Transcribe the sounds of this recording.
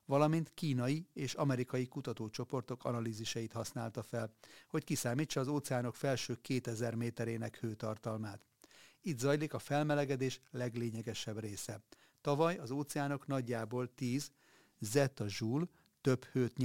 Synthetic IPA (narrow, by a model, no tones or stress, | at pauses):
vɒlɒmint̪kiːnɒjieːʃɒmɛɾikɒjikut̪ɒt̪oːt͡ʃo̞po̞rt̪o̞kɒ̰nɒliːziʃɒjit̪hɒsnaːlt̪ɒfɛlho̞ckisaːmiːt͡ʃːɒːzoːt̪sɛaːno̞kfɛlʃøːkːeːt̪ɛzɛrmeːt̪ɛɾeːnɛkhøːt̪ɒrt̪ɒlmaːt̪ | it̪zɒjlikɒfɛlmɛlɛɡɛd̪eːʃlɛɡleːɲɛɡɛʃɛbreːsɛ | t̪ɒvɒjɒzoːt̪sɛaːno̞knɒɟːaːboːlt̪iːz | zɛt̪ɒʒuːl | t̪ø̞phøːt̪ɲ